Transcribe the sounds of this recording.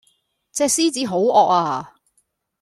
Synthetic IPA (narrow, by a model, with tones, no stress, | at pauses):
t͡sɛː˧siː˥t͡siː˨˥ɦo˨˥wɔː˧k̚aː˧˩